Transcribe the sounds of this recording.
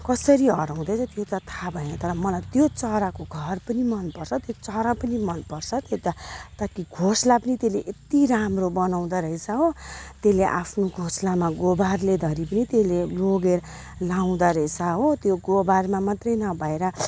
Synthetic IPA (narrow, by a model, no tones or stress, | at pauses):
kʌsʌɾiɦʌɾaw̃d̪ʌt͡sʰʌt̪jot̪at̪ʰabʱʌenʌt̪ʌɾʌmʌlajt̪jot͡sʌɾakoɡʱʌrpʌnimʌnpʌrt͡sʰʌt̪jot͡sʌɾapʌnimʌnpʌrt͡sʰʌt̪jot̪ʌt̪ʌkiɡʱoslapʌnit̪eleʔet̪iɾamrobʌnaw̃d̪aɾʌɦet͡sʰʌɦot̪eleʔapʰnoɡʱoslamaɡobarled̪ʱʌɾipʌnit̪eleloɡeɾ | law̃d̪aɾʌet͡sʰaɦot̪joɡobarmamat̪rʌjnʌbʱʌeɾʌ